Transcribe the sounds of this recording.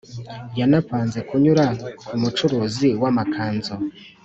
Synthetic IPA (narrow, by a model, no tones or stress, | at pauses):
janapaːnze̞kuɲuɾakʰumut͡ʃuɾuːziwamakʰaːnzo